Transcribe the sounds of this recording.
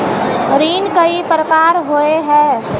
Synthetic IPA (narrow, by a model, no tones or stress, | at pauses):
ɾiːnkəipɾəkaːɾɦoeɦɛ̃ː